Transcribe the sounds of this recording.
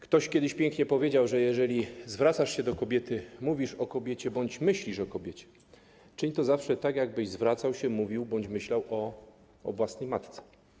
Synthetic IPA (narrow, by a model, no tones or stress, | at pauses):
kt̪ɔɕkʲɛd̪ɘɕpʲjɛŋkɲɛpɔvʲjed͡ʑawʐɛjɛʐɛlʲizvɾat̪saʂɕɛd̪ɔkɔbʲjɛt̪ɘmuvʲiʂɔkɔbʲjɛt͡ɕɛbɔɲd͡ʑmɘɕlʲiʂɔkɔbʲjet͡ɕɛ̥ | t͡ʂɘɲt̪ɔzafʂɛt̪aɡjaɡ̚bɘʑzvɾat̪sawɕɛmuvʲiwbɔɲd͡ʑmɘɕlawɔ̰ː | vwasnɛjmat̪t̪sɛ̥